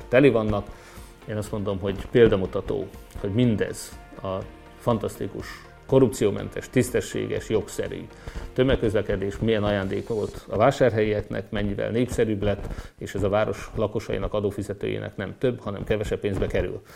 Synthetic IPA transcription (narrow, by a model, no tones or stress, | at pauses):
t̪ɛlivɒnːɒk | eːnɒst̪mo̞nd̪o̞mɦo̞ɟpeːld̪ɒmut̪ɒt̪o̰ːho̞ɟmind̪ɛ̰z̥ | ɒ | fɒnt̪ɒst̪ikuʃ | ko̞rup̚tsijoːmɛ̰nt̪ɛʃt̪ist̪ɛʃːḛːɡɛ̰ʃjo̞ksɛ̰ɾy̰ | t̪ø̞mːɛkːøzlɛkɛd̪eːʃmiɛnɒjaːnd̪eːkolt̪ɒvaːʃaːrɦɛjiɛknɛ̰kmɛɲːivɛ̰lneːpsɛɾyblɛt̪ːeːʃɛzɒvaːɾo̞ʃlɒko̞ʃɒjḭnɒkɒd̪oːfizɛt̪ø̰ːjḛːnʔɛ̰knɛmt̪ø̞bhɒnɛ̰mkɛvɛʃɛpːeːnzbɛkɛɾy̰l